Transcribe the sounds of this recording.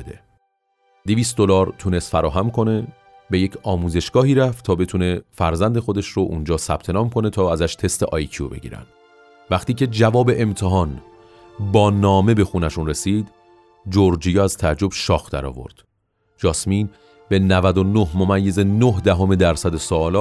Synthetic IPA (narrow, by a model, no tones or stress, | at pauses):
d̪ḛ | d̪̥eviːst̪̚d̪o̞lɒːɾt̪ʰune̞st̪fæɾɒːɦæmkʰo̞ne̞ | beje̞cʰɒːmuːze̞ʃɡ̥ɒːɦiːɾæft̪t̪ʰɒːbe̞t̪ʰune̞fæɾzænd̪exo̞d̪e̞ʃɾoʔund͡ʒɒːsæb̥̚t̪ʰe̞nɒːmkʰo̞ne̞t̪ʰɒːæzæʃt̪ʰe̞st̪ʰeʔɒːjcʰio̰be̞̰ɟḭɾæ̰nd̪̥ | væxt̪iːcʰe̞d͡ʒævɒːbe̞ʔemt̪ʰeɦɒːn | bɒːnɒːme̞be̞xunæʃunre̞siːd̪ | d͡ʒoɾd͡ʒijɒːæzt̪ʰææd͡ʒːo̞b̥ʃɒːxd̪̥æ̰ɾɒ̰ːvo̞̰ɾd̪̥ | d͡ʒɒːsmiːn | b̥e̞nævæd̪onohmo̞mæjːe̞ze̞nohd̪æɦomed̪æɾsæd̪esoːlɒːt̪